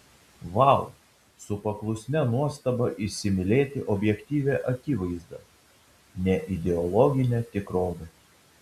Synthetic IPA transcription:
ʋɑˑlˠ | sʊpɐklˠʊsʲnʲɛnuɔst̪ɐbɐʔɪsʲɪmʲɪlʲeːt̪ʲɪʔɔbʲjɛkt̪ʲiːʋʲeːʔɐkʲiːʋɐɪzd̪ɐ | nʲɛʔɪd̪ʲɛɔlˠɔːɡʲɪnʲet̪ʲɪkɾoːʋʲɐ

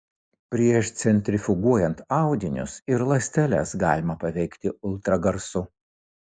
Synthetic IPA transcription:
pʲɾʲiɛʃt̪sʲɛnʲt̪ʲɾʲɪfʲɪɡuɔjɛnt̪ɑˑʊd̪ʲɪnʲʊ̰sɪɾlˠɐsʲt̪ʲɛlʲɛ̰sɡɑ̰ːlʲɪmɐpɐʋʲɛɪkt̪ʲɪʊlˠt̪ɾɐɡɐɾsʊ

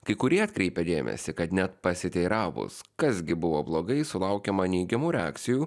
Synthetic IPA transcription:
kɐɪkʊɾʲiɛɐt̪ʲkɾʲɛɪpʲɛd̪ʲḛːmʲɛ̰sʲɪkɐt̪nʲɛt̪pɐsʲɪt̪ʲɛɪɾɑːʋʊ̰skɐsɡʲɪbʊʋoːblˠoːɡɐɪsʊlˠɐʊkʲɛmɐnʲɛɪɡʲɛmuːɾʲɛa̰kt̪sʲɪjuː

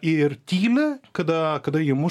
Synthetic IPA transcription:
ɪrt̪ʲiːlʲɪkɐd̪ɐkɐd̪ɐjɪmʊ

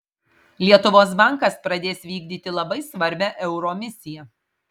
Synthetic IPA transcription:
lʲiɛt̪ʊʋoːs̬bɐˑŋˑkɐspɾɐd̪ʲeːsʋʲiːɡd̪ʲiːt̪ʲɪlˠɐbɐɪsʋɐɾʲbʲæʔɛʊɾoːmʲɪsʲɪjɛ

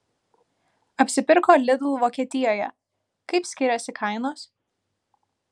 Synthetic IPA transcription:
ɐpʲsʲɪpʲɪɾkoːlʲɪd̪uʋoːkʲiɛt̪ʲɪjoːjɛ̰ | kɐɪpsʲkʲɪɾʲɛsʲɪkʰɐɪnoːs

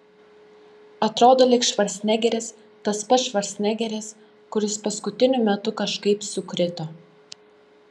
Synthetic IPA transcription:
ɐt̪ɾoːd̪oːlʲɪkʃʋɐɾʲsʲnʲɛɡʲɛɾʲɪs | t̪ɐspɐt̪ʃʋɐɾʲsʲnʲɛɡʲɛɾʲɪs | kʊɾʲɪspɐskʊt̪ʲɪnʲʊmʲɛt̪ʊkɐʃkɐɪpsʊkɾʲɪt̪o

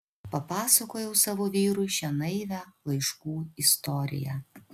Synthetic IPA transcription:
pɐpɑːsɐkoːjɛʊsɑːʋoːʋʲiːɾʊɪʃʲɛnɐɪʋʲælˠɐɪʃkuːɪst̪ɔɾʲɪ̰jæ

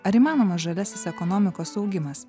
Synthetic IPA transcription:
ɐɾiːmɑːnoːmɐsʒɐlʲæːsʲɪsɛkɔnɔmʲɪkoːsɒʊɡʲɪmɐs

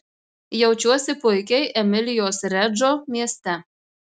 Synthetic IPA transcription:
jɛʊt͡ʃʲuɔsʲɪpʊɪkʲɛɪʔɛmʲɪlʲɪjoːsɾʲɛd͡ʒoːmʲiɛsʲt̪ʲɛ

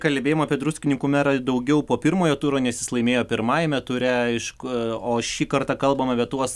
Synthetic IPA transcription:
kɐlʲbʲeːjoːmɐːpʲiɛd̪ɾusʲkʲɪnʲɪŋkʊmʲæɾɐd̪ɐʊɡʲɛʊpoːpʲɪɾmoːjoːt̪uːɾoːnʲɛsjɪslˠɐɪmʲeːjoːpʲɪɾmɑːjɛmʲɛt̪ʊɾʲɛɪʃkoːʃʲiːkɐɾt̪ɑkɐlˠbɐmɐpʲiɛt̪uɔs

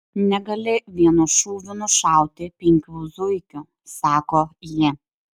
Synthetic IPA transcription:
nʲɛɡɐlʲɪʋʲiɛnuʃuːʋʲʊnʊʃɑˑʊt̪ʲɪpʲɪŋʲkʲuːzʊɪkʲʊ | sɑːkoːji

